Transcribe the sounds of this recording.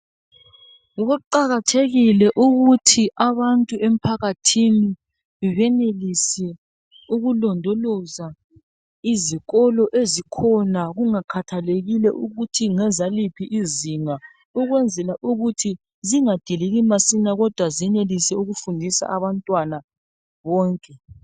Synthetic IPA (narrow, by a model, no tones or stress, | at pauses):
ɣuǃaɣatʰeɣilɛʔuɣutʰiʔaβantʼuem̩pʰaɣatʰini | βɛnelisɛ | uɣulɔndʱɔlɔza | iziɣɔlɔʔezikʰɔnaɣuŋakʰatʰaleɣilɛ̰ʔuɣutʰiŋɛzalipʰiʔiziŋa | uɣwɛnd͡zʱɛlaʔuɣutʰi | ziŋad̥ʱiliɣimasinaɣɔd̥ʱwaziɛnelisɛuɣufundʱisa̰ʔaβantʼwana | βɔːŋkʼɛ